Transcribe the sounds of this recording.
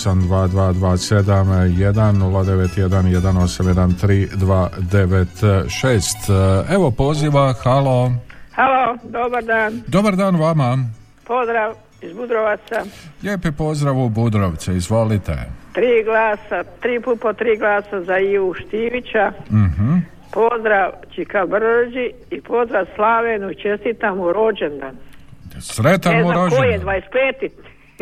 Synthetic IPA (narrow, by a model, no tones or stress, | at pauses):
samd̪ʋaːd̪ʋaːd̪ʋaːse̞d̪amje̞d̪anːulad̪eʋet̪jed̪anjed̪ano̞samjed̪ant̪ɾiːd̪ʋaːd̪e̞ʋet̪ʃeːst̪e̞ʋo̞po̞ziʋaxalo̞halod̪obaɾd̪aːnd̪o̞baɾd̪aːnʋama | pozd̪ɾaʋ | izbud̪ɾoʋat̪sajʲeːpipo̞zd̪ɾaʋubud̪ɾoʋt̪seizʋolit̪ḛt̪ɾiːɡlaːsat̪ɾiːput̪̚pot̪ɾiːɡlaːsazaiːʋuʃt̪iʋit͡ʃaɦ | po̞zd̪ɾaʋt͡ʃikabrd͡ʒi | ipo̞zd̪ɾaʋslaʋenuit͡ʃest̪it̪amuɾod͡ʒend̪ansɾet̪ameaɾod͡ʒojed̪ʋaispleːt̪it̪